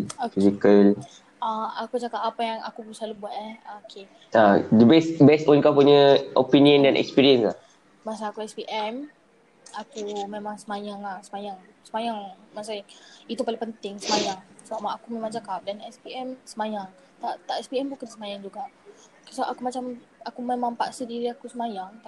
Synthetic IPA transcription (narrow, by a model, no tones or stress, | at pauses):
fisikəl | aakud͡ʒakap̚apajaŋa̰kupusalubuat̪̚ahakʰe | adəbɛsbɛstɔ̃nkapuɲəʔopiniə̃ndanʔɛ̰kspiɾiənsla̰ | mas̬aːkuɛspiʔɛm | akumemãŋsəmajaŋlahsəmajaŋ | səmajaŋmasait̪upalupənt̪ɪŋsəmajaŋsəbaʔmaakumẽmãŋt͡ʃakap̚danɛspiʔɛmsəmajaŋ | t̪aʔt̪aʔɛspiɛmbukansəmajaŋd͡ʒuɡaʔ | səaʔakumat͡ʃam | akumemãŋpaʔsədiɾiakusəmajaŋt̪a